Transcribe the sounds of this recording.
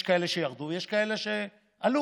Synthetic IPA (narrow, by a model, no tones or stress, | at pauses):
ʃkaele̞ʃejaʁd̪ujeʃkaele̞ʃe | alu